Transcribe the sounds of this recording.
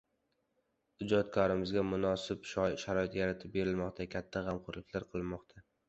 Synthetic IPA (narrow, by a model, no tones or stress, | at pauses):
ʊd͡ʒɒt̪̚kʰɒɾɪmɪzɡʲamʊnɒsɪpʃʃaɾɒɪt̪jaɾat̪ʰɪp̚be̞ɾɪlmɒqt̪ʰakʲʰat̪ʰːaʁɑmqʊɾlɪkʲʰlaɾqʰɨlˠmɒqt̪ʰa